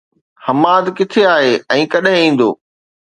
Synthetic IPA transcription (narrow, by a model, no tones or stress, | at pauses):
hɐmaːd̪kɪt̪ʰeaːɦeːɛ̃ːkɐɗɦɪ̃ĩːn̆d̪o̰ː